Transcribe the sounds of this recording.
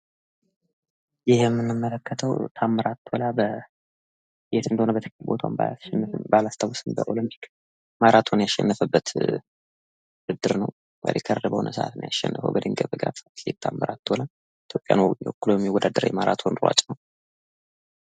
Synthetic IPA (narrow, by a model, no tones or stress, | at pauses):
jɪhjɛmːɨnːɨmːələkːət̪ʰəwt̪ʰamːəɾat̪ʰːolabə | jet̪ɨnd̪əhonəbət̪ʰəklbot̪ʰawmbaasʃɛnːbalast̪ʰawosɨmbə̰ʔo̞lɨmpʰi̥k | maɾat̪ʰonjasʃːɛ̰nːəfəbːət̪ | ɨd̪ːɨɾnəw | wɛ̰dɛkʰəɾədəbəhonʔəsə̰ʔa̰t̪nəjaʃːɛ̰nːəfə̰wbəd̪ɨŋɡəβəɡɾasat̪lek̚t̪ʰamːəɾat̪ʰːola | it̪ʰjo̞pʼja̰njɛokːlojmjɛwɔd̪ad̪əɾa̰jɛmaɾa̰t̪ʰo̞nɾa̰t͡ʃʼnəw